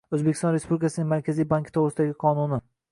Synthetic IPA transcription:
ɵzbekʲɪ̥st̪ɒ̃nɾe̞spublɪikʰasɪnɪŋmaɾkʲazijbaŋkt̪ʰoʁɾɪsɪd̪aɡʲɪqʰɒnunɪ

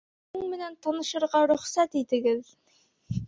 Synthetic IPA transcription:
ɘŋmɘ̆nænt̪ɑnɤ̆ʃɤ̆ɾʁɑɾɵ̆χsæt̪it̪ɘ̆ɡɘð

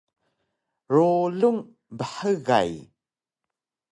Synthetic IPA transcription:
roluŋ | bəħəɣa̰j

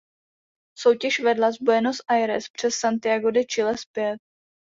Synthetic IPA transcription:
so̞wcɛʃvɛdlazbojɛnost̪ʔajɾɛ̰spr̝̥ɛsːant̪ɪaɡodɪt͡ʃɪlɛspjɛt̪̚

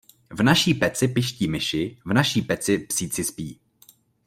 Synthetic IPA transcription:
vnaʃiːpɛt͡sɪpɪʃciːmɪʃɪvnaʃiːpɛt͡sɪpsiːt͡sɪspiː

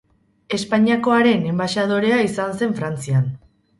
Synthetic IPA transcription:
e̞spaɲiako̞aɾe̞ne̞mbaʃað̞o̞ɾe̞aisanse̞ɱfɾant͡sian

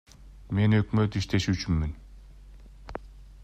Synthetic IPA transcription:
me̞nø̞kmø̞t̪iʃt̪ʰe̞ʃyːt͡ʃynmyn

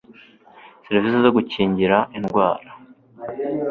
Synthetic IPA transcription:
seɾivisezoɡuciːɲɟiɾaʔinɡwaːɾa

